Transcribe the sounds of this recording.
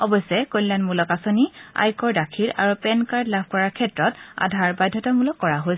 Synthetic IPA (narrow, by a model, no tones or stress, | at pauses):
ɔbɔjsɛkojllanmulɔkasonia̰jkɔɹdakʰiɹʔa̰ɹupɛnkaɹdlabʱkɔɹaɹkʰɛtɹɔta̰dʱaɹbajdʱːɔtɔmulɔkːɔɹaɦos